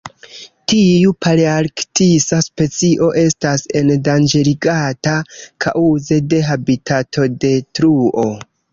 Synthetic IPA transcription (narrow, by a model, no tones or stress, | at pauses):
tiupʰaɾiaɾktisaspe̞t͡siʔo̞ʔe̞stase̞ndand͡ʒeɾiɡatakʰa̰ʔuze̞de̞ɦabitʰatʰo̞de̞tɾuʔo̞